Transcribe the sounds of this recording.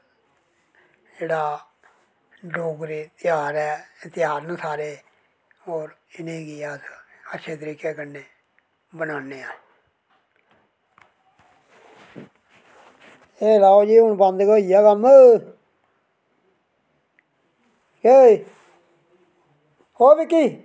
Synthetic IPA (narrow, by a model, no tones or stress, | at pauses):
d͡ʒeːɽaː | loːɡɾeːt̪ɪjaːɾɛːɪt̪ɪjaːɾnəsaːɾeː | oːɾɪnẽːɡijaːsətːʃʰeːt̪əɾiːkeːkənːeː | bənaːneːaː | eːlaːod͡ʒiːɦʊnbənd̪koːijaːkənə | ke | hoːbiːkiː